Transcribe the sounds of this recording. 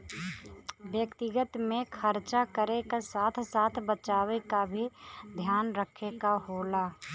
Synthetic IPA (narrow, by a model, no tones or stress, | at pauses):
ʋjəkt̪ɪɡət̪mẽkʰəɾt͡ʃakəɾekesaːt̪ʰsaːt̪ʰbət͡ʃaːwekabʱid̪ʱjaːnɾəkʰekaɦoːlaː